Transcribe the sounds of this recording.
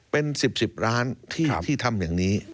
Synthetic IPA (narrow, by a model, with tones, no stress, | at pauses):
pe˧nsi˨˩p̚si˨˩p̚ɾaː˦˥nt̪ʰiː˥˩˧iː˥˩t̪ʰa˧mjaː˨˩ŋniː˦˥